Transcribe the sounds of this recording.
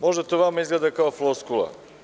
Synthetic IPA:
mɔʒd̪et̪ovamaizɡlɛd̪akaoflˠoskulˠa̰

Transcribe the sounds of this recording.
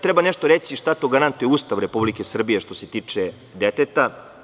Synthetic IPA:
t̪ɾebaneʃt̪oɾesiʃt̪at̪o̞ɡaɾant̪ujeuːst̪aʋɾe̞publike̞sr̩bijeʃt̪o̞se̞t̪iːt͡ʂe | d̪et̪et̪a

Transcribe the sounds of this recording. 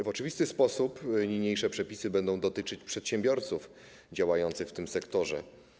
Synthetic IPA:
vɔt͡ʂɨvʲist̪ɘspɔsupɲiɲejʂɛpʂɛpʲisɘbɛnd̪ɔ̃w̃d̪ɔt̪ɘt͡ʂɘt͡ɕpʂɛt̪ɕɛ̃mbʲjɔɾt̪suf | d͡ʑawajɔnt̪sɘxft̪ɘmsɛkt̪ɔʐɛ̰

